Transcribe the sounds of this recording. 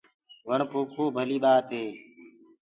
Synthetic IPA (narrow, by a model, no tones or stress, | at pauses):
ʋəɳpuːkʰoːbʱəliːɓaːt̪eː